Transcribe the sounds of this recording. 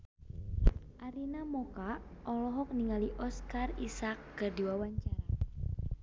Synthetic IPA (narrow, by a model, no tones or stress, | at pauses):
ʔaɾinamɔkaʔʔɔlɔɦɔk̚niŋaliʔɔskarisakːərdiwawaɲt͡ʃaɾa